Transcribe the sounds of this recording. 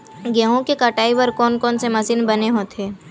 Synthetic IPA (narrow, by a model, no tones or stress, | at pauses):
ɡjəɦõkekɐʈaːiʋəɾkɔːnkɔːnsemɐsiːnbɐneɦoːt̪ʰeː